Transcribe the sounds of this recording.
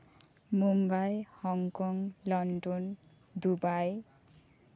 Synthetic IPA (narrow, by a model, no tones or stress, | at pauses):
mumbajhʌŋkoŋlʌɳɖon | d̪ubaj